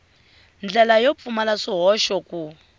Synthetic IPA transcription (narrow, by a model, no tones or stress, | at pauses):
nd͡ɮɛlajɔp̪fumalaʂiɦɔʃɔku